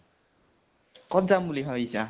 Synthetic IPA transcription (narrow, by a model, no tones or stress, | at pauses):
kɔd͡zamuleɦʌjsa